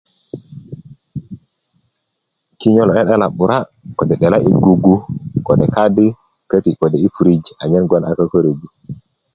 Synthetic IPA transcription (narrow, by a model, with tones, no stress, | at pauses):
ki˦ɲo˦lɔ˨ɛ˦ɗe˦la˨ɓu˨ɾa˦ | ko˨dɛ˨ɗe˨la˦ʔḭ˨ɡu˨ɡu˦ko˨de˨ka˦di˦ | kə˦ti˨ko˨de˨i˦pu˨ɾi˦d͡ʒa˨ɲe˦nɡo˦nʔa˨kə˦ko˦ɾe˨bu˦